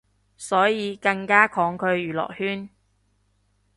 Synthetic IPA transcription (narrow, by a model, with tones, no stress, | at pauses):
sɔː˨˥jiː˨˧kɐ˧ŋkaː˥kʰɔː˨˥ŋkʰɵ˨˧ɥjyː˨˩lɔ̰ː˨k̚hyː˥n